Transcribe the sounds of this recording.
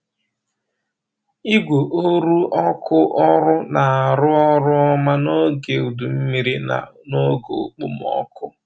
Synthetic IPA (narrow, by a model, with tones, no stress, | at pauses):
i˦ɡʷo˨ʔo˦ɾu˦ɔ˦kʰʊ˦ʔɔ˦ɾʊ˦na˨a˨ɾʊ˦ɔ˦ɾʊ˦ɔ˦ma˦no˦ɡe˨u˨du˨m̩˦mi˦ɾi˦na̰˨no˦ɡo˨o˨k͡pu˦m˨ɔ̰˦kʊ˦